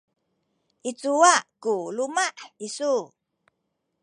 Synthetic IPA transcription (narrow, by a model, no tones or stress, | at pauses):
ʔit͡suwaʔkulumaʔisu